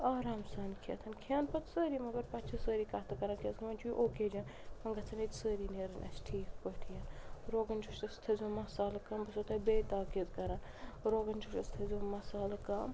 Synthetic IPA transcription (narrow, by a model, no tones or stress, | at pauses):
aːɾaːmsaːnkʰjɐ̰t̪ʰɐnkʰaːnpɐt̪səːɾiːmɐɡɐɾpɐt̪t͡ʃʰɐsəːɾiːkɐt̪ʰɐkɐɾaːnkʰʲɐzɡɐmɐnt͡ʃʰuiʔoːkeːd͡ʒãːnmɐŋɡɐt͡sʰɐnit̪səːɾiːneːɾɐnʔɐ̰sʈʰiːkpəʈʰijɐnɾoːɡɐnt͡ʃʰuʃɐst̪ʰɐzʲomɐsaːlɐkɐmbɐsot̪ʰɐbeːt̪aːkezkɐɾãːnɾoːɡɐnʲd͡ʒʰuʃɐst̪ʰɐzʲomɐsaːlɐkɐːm